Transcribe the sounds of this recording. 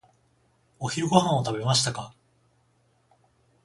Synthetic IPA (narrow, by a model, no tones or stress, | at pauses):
o̞çiɾɯ̟ɡo̞ɦãɰ̃o̞t̪abe̞maɕi̥t̪aka